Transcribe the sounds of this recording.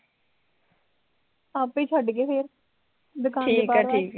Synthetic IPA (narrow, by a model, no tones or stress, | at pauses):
aːpeːt͡ʃʰəɖkeːpʰeːɾ | d̪ʊkʰaːiːekpaɛːɾʈʰiːk